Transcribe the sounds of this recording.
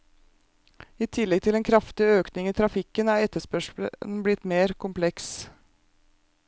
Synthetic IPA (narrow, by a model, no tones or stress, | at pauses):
iːt̪ʰɪlːɛɡ̚t̪ʰɪlɛnkʰɾɑft̪ɪøːknɪŋiːt̪ʰɾɑfɪkːənæːɾɛt̪ːəʂpœʂə̰nblɪt̪ːmeːɾkʰʊmpʰlɛks